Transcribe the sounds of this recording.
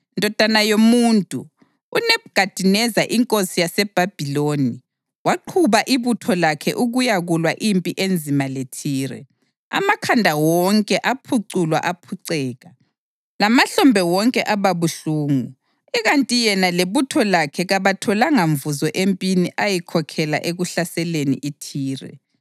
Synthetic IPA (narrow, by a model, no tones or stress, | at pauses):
ndʱɔd̥ʱanajomuːntʼuː | nɛbɡ̥ʱad̥ʱinɛzaʔiŋkʼosijasɛb̥ʱab̥ʱiloːni | waǃʰuβaʔiβutʰɔlakʰɛ̰ʔuɣujaɣulwaʔimpʼiʔend͡zʱimaletʰiːɾɛ̰ | a̰makʰandʱawɔŋkʼɛʔapʰuǀulwa̰ʔapʰuǀɛːɣa | lamaɬɔmbʱɛwɔŋkʼɛʔaβaβuɬuːŋu | ɛɣantʼijɛnaleβutʰɔlakʰɛɣaβatʰɔlaŋaɱvuzɔʔempʼiniʔajikʰɔkʰɛla̰ʔeɣuɬasɛlenḭʔitʰiːrɛ̰